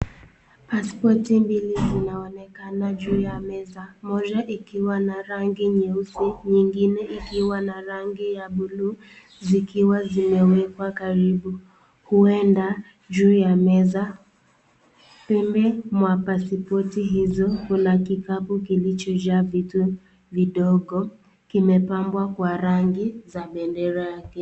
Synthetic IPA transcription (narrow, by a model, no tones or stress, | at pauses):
paspɔtimbilizinaɔnɛkanaʄuːjamɛzamɔd͡ʒaʔikiwanaɾaŋɡiɲɛusiɲiŋɡinɛʔikiwanaɾaŋɡijaɓulu | zikiwazimɛwɛkwakaɾiɓu | huɛnda | ʄuːjamɛza | pɛmbɛmwapasipɔtiɦizɔkunakikapukilit͡ʃɔʄavitu | viɗɔɠɔ | kimɛpambwakwaɾaŋɡizaɓɛndɛɾajakɛ